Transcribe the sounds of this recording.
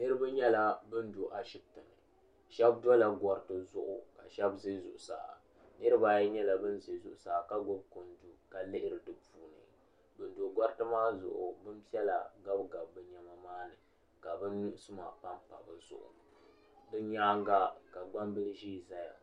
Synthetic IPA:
nɨ˦ɾɨ˦bɨ˦ɲɛ˦la˦bɨ˦n˦do˨ʔa˨ʃɪ˦b̚tɨ˨nɨ˨ | ʃɛ˦bdɔ˦la˨ɡɔ˦ɾtɨ˦zʊ˦ʔʊ˨ka˨ʃɛ˦bze˦zʊ̰˨ʔʊ˨sa̰ː˨a̰˨ | nɨ˦ɾɨ˦ba˦jɲɛ˦la˨bɨ˦n˦ze˨zʊ˨ʔʊ˨saː˨ka˦ɡo˦bko˨ndu˨ka˨lɪ˦ʔɪ˦ɾɨ˨dɨ˨puː˨nɨ̰˨ | bɨ˨n˦do˨ɡɔ˦ɾtɨ˦maː˦zʊ̰˨ʔʊ˨bɨ˦m˦pi˦ɛ˦la̰˨ɡa˦bɡa˨bbɨ˦ɲa˦ma˦maː˦nɨ˨ | ka˨bɨ˦nːu˦ʔsɨ˦ma̰˨pa˦mpa˨bɨ˨zʊ̰˨ʔʊ̰˨ | dɨ˦ɲaː˦ŋɡa˦ka˨ɡ͡ba˦mbɨ˦lʒiː˦˨za˦ja̰˨

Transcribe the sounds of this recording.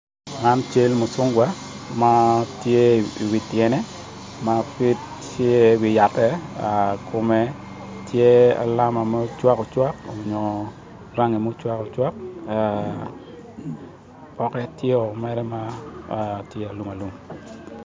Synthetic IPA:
ŋa˦nt͡ʃe˦lmo˨sʊ˦ŋɡwa˦ | ma˦tje˦i˨wi˨tjɛ˨nɛ˦ | ma˦pi˦t | t͡ʃje˦wi˨ja˨tːɛ˦a˨kʰʊ˨mɛ˦ | tje˦a̰˨la˦ma˨mɛ˦t͡ʃwa˦kɔ˨t͡ʃwa˦kɔ˨ɲɔ˨ | ɾa˦ŋe˨mo˦t͡ʃwa˦kɔ˨t͡ʃwa˦k̚a | pɔ˦kɛ˦tje˦ɔ˨mɛ˦ɾɛ˦ma˦ | tje˦a˨lu˨ma˨lu˨m

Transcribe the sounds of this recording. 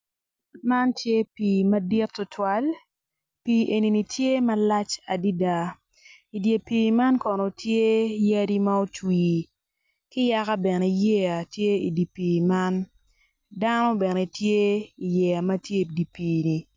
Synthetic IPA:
ma˦ntje˦piː˨mɐ˦dɪ˦tːʊ˦tʰwa˦l | pi˨ʔe˨ni˨ni˨tje˦mɐ˦la˦t͡ʃa˨di˦da˦ | i˨dje˨piː˨ma˦nkɔ˨no˨tje˦ja˦di˦ma˦o˦t͡ʃwiː˨ | kɪ˦ja˦ka˦bɛ˨ne˨je˦a˨tje˦i˨di˨piː˨ma˦n | da˦nɔ˦bɛ˨ne˨tje˦i˨jɛ˨a˨mɐ˦tje˦di˨piː˨ni˨

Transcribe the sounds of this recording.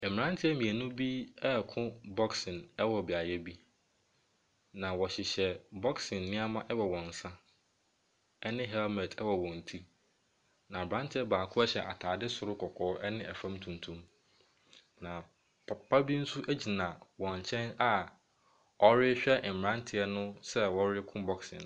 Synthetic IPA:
m˨ɾã˦n˦tʰɪ˦ɛ˦mĩ˨æ˨nũ˦bi˦ɛ˦kʰʊ̃˦bɔ˦ksɪ̃˨nɛ˦wɔ˨bi˨a˨jɛ˦bi˦ | nã˨wɔ˨ɕɪ˨ɕɛ˨bɔ˦ksɪ̃˨nːɪ̃˦a˦mã˦ʔɛ˦wɔ˨wɔ̃˨n̩˨sã˦ | ɛ˦nɪ̃˦ɦɛ˦lmɛ˨tʰɛ˦wɔ˨wɔ̃˨n̩˨tʰi˦ | nã˨bɾã˦ntʰɪ˨˦ɛ˦baː˨kʰʊ̃˦ɛ˦ɕɛ˨ʔa̰˨tʰaː˨dɪ˦sʊ˨ɾʊ˦kʰɔ˨kʰɔː˨˦ɛ˦nɪ̃˦ʔæ˨fã˦mtʰũ˨ntʰũ˦m | nã˨ | pʰa˦bi˦n̩˦su˦ʔæ˦d͡ʑi˨nã˨wɔ̃˨ɲ˨t͡ɕʰɛ̃˦na˨ | ɔ˦ɾɪ˦ɕᶣɛ˦ʔm̩˨m˨ɾã˦ntʰɪ˨ɛ˦nʊ̃˦sɛ˦wɔ˦ɾɪ˦kʰʊ̃˦bɔ˦ksɪ̰̃˨n

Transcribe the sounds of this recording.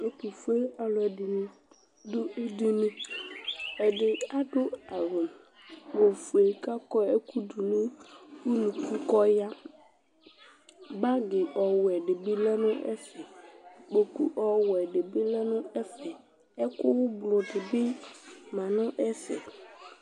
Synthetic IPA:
e˦ku˨fu˦e˦a˨lʊ˨ɛ˨dɪ˨nʊ˦ | dʊ˦e˦di˦nũ˦ | ɛ˨dɪ˨a˦dʊ˦a˨ɾʊ˨ | ɡ͡bo˨fu˨e˨ka˦kɔ˦e˦ku˦du˨nʊ˦u˦nũ˨ki˦kɔ˦ja˦ | ba˦ɡɪ˨ʔɔ˨wɛ˨dɪ˨bɪ˦lɛ˦nʊ̃˦ʔɛ̰˦fɛ˨k͡po˨ku˨ʔɔ˦wɛ˨dɪ˨bɪ˦lɛ˦nʊ̃˦ɛ˦fɛ˨ | ɛ˦kʊ˦wʊ˦blʊ˨dɪ˨bɪ˦mã˨nʊ̃˦ʔɛ˦fɛ̰˨

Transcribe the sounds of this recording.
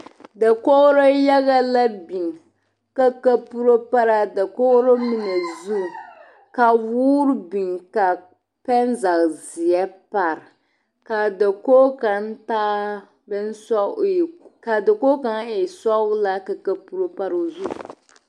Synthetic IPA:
da˨ko˦ɣɾo˦ja˦ɣa˦la˦bi˨ŋ | ka˦ka˦pu˦ɾo˦pa˦ɾa˦da˨ko˦ɾo˦mi˦nɛ˨zu˦ | ka˨wuː˦ɾɨ˦bi˨ŋka˨ | pɛ˦nza˨ɣzɪ˨jɛ˦pa˨ɾɨ˨ | ka˨da˨ko˦ka˨n˦taː˦ | bɛ˦n˦sɔ˦˨ka˨da˨ko˦ka˦ŋɪ˨sɔ˦la˦ka˨ka˦pu˦ɾo˦pa˦ɾo˨zu˦

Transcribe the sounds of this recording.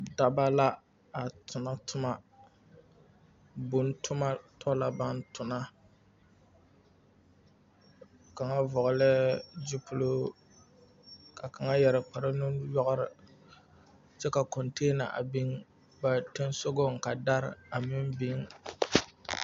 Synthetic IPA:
da˨ba˦la˦ | a˨tʰʊ˨na˦tʰʊ˦ma˦ | bʊ˨n˦tʰʊ˦ma˦tʰɔ˦la˨ba˦n˦tʊ˨na˦ | ka˨ŋa˦vɔ˨ɣlɪ˦d͡ʒi˦pʊ˦lo˦ | kʰa˨ka˨ŋa˦jɛ˨ɾɪ˨k͡pa˨ɾɪ˦nʊ˦jɔ˦ɣʊ˦ɾɪ˨ | t͡ʃɛ˦ka˨kɔ˨nteː˦na̰˨ʔa̰˨bi˦ŋ | ba˨te˦n˦so˦ɡo˦ŋ̩˨ka˨da˦ɾ̰a˨mɪ˦mbi˦ŋ

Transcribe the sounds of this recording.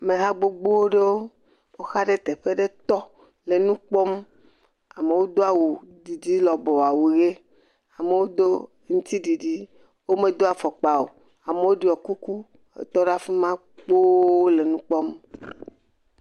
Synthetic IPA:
me˨ɦa˦ɡ͡bo˦ɡ͡bo˦wo˦ɖe˦wo˦ | wo˦xa˦ɖe˦t̪e˨ɸe˦ɖe˦t̪ɔ˦ | le˨nũ˦k͡pɔ˦m | a˨me˨wo˦d̪o˦a˦˨wu˨ɖi˨d͡ʑi˦lɔ˨bɔ˨a˨wu˨ɣe˦ | a˨me˨wo˦d̪o˦ | ŋũ˦t̪i˦ɖi˨ɖi˦ | wo˦me˨d̪o˦a˨fɔ˨k͡pa˨o˨ | a˨me˨wo˦ɖi˨ɔ˨ku˦ku˦ | ḛ˨t̪ɔ˦ɖa˦fi˦mã˦ | k͡po˦o˦le˨nũ˦k͡pɔ˦m

